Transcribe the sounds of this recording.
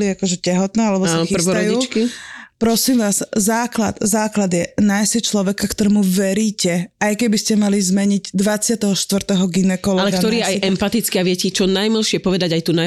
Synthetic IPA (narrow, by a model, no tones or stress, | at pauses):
liakɔʒɛcɛɦɔt̪nɛːalɛbɔsanxirɔɾɔjuiːkipɾɔsiːmʋaːzzaːkla̰d̪̥zaːklad̪jɛnajsɛt͡ʃlɔʋɛkakt̪ɔɾɛːmuʋɛɾiːcɛajkɛbiscɛmalizmɛɲiɟd̪ʋat͡sɪat̪ɛɦɔʃt̪ʋr̩t̪ɛɦɔɡinɛkɔlɔalɛkɡak̪ɔɾiajɛmpat̪it͡skiaʋɪɛcit͡ʃɔnajmilˠʃɪɛpɔʋɛd̪aɟajt̪una